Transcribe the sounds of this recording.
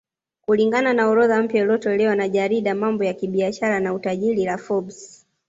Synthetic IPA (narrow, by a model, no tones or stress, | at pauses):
kuliŋɡananaɔɾɔðam̩pjailɔtɔlɛwanaʄaɾiɗamambɔjakiɓiaʃaɾanautaʄiɾilafɔbs